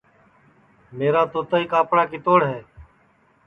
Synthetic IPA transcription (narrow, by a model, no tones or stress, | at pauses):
meːɾaːt̪oːt̪əːiːkaːpɽaːkiːt̪oːɽɦɛː